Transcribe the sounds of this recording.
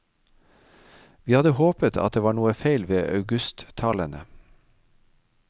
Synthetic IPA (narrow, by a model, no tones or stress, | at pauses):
ʋiːhɑd̪əhoːpət̪ʰɑt̪̚d̪eːʋɑːɳuːəfeɪlʋeːʔɑ̰ʉɡʉst̪ʰɑːlənə̰